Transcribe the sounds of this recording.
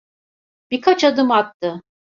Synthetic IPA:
b̥ikʰat͡ʃad̪ɯmak̚t̪ʰɯ

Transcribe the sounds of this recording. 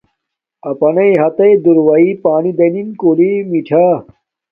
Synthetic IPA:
ɐpɐnɐjɦɐt̪ɐjd̪uɾwɐipaːnid̪ɐninkoːlimiʈʰa

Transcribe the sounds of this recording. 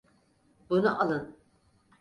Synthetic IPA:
bunuʔalˠɯn

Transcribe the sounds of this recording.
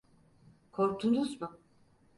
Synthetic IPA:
kʰoɾt̪ʰunuzmʊ

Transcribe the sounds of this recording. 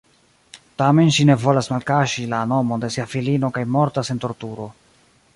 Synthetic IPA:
tame̞nʃine̞vo̞lasmalkaʃilano̞mo̞nde̞siafilino̞kajmo̞ɾtase̞nto̞ɾtuɾo̞

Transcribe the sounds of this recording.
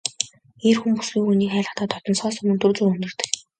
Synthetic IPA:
erxumpusɡiːŋxuniːkχæːɮə̆t̪aːt̪ʰɔt̪ɞ̆nsɔːsɵmɵ̆nt̪ut͡suːrɵnɵ̆rt̪ɘ̆k

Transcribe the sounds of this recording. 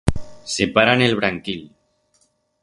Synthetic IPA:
sepaɾanelβɾaŋkil

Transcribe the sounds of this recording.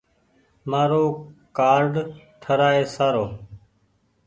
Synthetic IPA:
maːɾoːkaːɾɖʈʰəɾaːeːsaːɾoː

